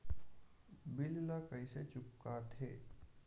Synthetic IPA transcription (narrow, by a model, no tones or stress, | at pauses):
bɪllakəiset͡ʃʊpkaːt̪ɦeː